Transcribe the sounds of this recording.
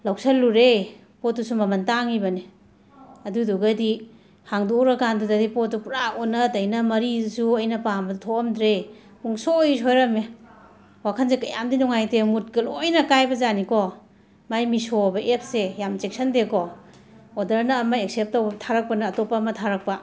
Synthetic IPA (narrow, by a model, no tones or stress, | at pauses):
law̚saluɾe | pot̚dusumɐmɐntaŋibɐni | ɐduduɡadi | haŋdoɾakandudadipot̚dupuɾaonɐdɐjnɐmɐɾisuɐjnɐpaŋbɐdutʰomdɾe | uŋsojsojɾɐme | wakʰanzekajamdinuŋajtemut̚kɐlojnɐkajbɐzanikɔ | majmisobɐʔep̚sejamt͡ʃek̚sɐndekɔ | odɐɾnɐːmaeksep̚tawbɐbtʰaɾak̚pɐnaːtopamɐtʰaɾak̚pɐ